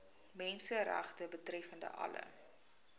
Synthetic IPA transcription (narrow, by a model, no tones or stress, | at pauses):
mɛnsəɾɛ̰χtəbətrɛfəndə̰ʔɐ̰lə̰